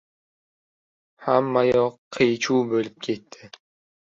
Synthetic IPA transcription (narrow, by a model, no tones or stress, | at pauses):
hamːajɒqʰːejt͡ʃʰubɵlɪp̚kʲʰe̞t̪ʰːɪ